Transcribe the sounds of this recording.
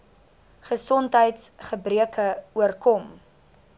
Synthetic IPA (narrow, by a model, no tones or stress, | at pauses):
χəsɔntɦəjtsχəbriəkʰəuərkɔm